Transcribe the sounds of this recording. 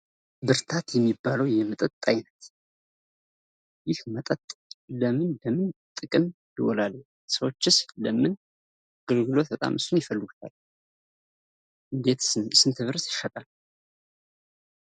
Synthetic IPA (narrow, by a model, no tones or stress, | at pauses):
bɨɾt̪ʰat̪jɛmːibːaləwjɛmət̪ʼət̪ʼːajnət̪ | jɪhmət̪ʼət̪ʼləmɨnləmɨnt̪ʼɨkʼɨn | d̪əwɔlal | səwot͡ʃːɪsləmɨn | aɡəlɡɨlo̞t̪ʰət̪ʼa̰mʔɨsːunjɪfəlːɨɡut̪ʰa̰l | ʔɨnd̪e̞t̪ssɨnt̪ʰɨβɨɾsjɪʃət̪ʼal